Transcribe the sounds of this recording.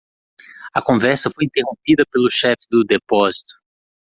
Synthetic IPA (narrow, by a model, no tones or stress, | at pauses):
ɐkõvɛɾsɐfojĩnt̪eɦõmpid̪ɐpelʊʃɛfɪ̥d̪ʊd̪epɔzit̪ʊ̥